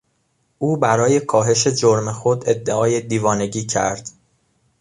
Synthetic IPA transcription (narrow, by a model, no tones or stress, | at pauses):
ʔuːbæɾɒːje̞kʰɒːɦe̞ʃe̞d͡ʒoɾmexod̪e̞d̪ːeɒːje̞d̪iːvɒːne̞ɟiːcʰæ̰ɾd̪̥